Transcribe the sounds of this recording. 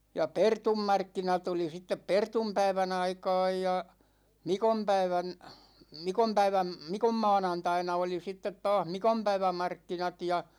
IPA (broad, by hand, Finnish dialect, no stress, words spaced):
jɑ pertumːɑrkːinɑt oli sitːep pertumpæiʋæn ɑikɑ̝ːj jɑ mikompæiʋæn mikompæiʋæm mikomːɑ̝ːnɑntɑinɑ oli sitːet tɑːh mikompæiʋæmɑrkːinɑt jɑ